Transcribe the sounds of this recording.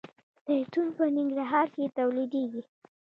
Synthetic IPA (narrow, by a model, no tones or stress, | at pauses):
d̪̥ət̪unpənɪŋɡɾaɦɑɾket̪awlid̪eɡi